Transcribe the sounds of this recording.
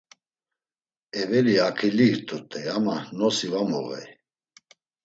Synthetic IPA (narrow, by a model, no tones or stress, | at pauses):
ɛvɛɾiakʰiliɾt̪ʼut̪ʼɛjamanɔsivamɔɣɛ̰j